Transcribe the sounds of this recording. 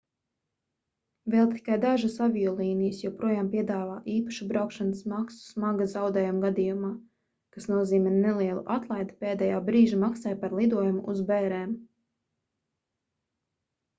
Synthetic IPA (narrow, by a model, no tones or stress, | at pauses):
vɛlˠt̪i̥kajd̪aʒasavijɔlˠiːnijəsjawpɾuɔjaːmpiɛd̪aːvaːʔiːpaʃubɾawkʃansmaksu̥smaɡazawd̪ɛːjumɡad̪ijumaː | kasnuɔziːmɛnnelˠiɛlˠṵʔat̪lˠajd̪peːd̪ɛjaːbɾiːʒimaksajpaɾlˠid̪uɔjumuʔuzbɛːɾɛːm